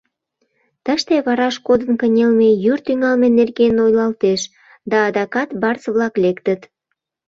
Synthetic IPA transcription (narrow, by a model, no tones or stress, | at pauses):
t̪əʃt̪eβɑɾɑʃkod̪ənkənʲelmejyrt̪yŋɑlmenerɡenojlɑlt̪eʃ | d̪ɑːd̪ɑkɑt̪bɑrt͡sβlɑklekt̪ət̪